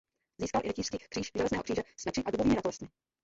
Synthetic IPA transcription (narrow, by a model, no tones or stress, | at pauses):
ziːskalʔɪ̰ɛciʃskiːxkr̥iːʃʒɛlɛznɛːɦokr̥iːʒɛsmɛt͡ʃɪʔaduboviːmɪɾat̪ost̪mɪ